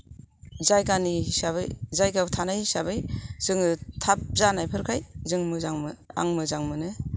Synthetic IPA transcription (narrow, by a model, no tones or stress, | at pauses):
zajkanisaβa̰jzajɡawtʰanajsabɯjz̥ɯŋɯtʰap̚zanajpʰɯɾkʰajzɯŋmɯzaŋmɯa̰ŋmɯzaŋmɯnɯ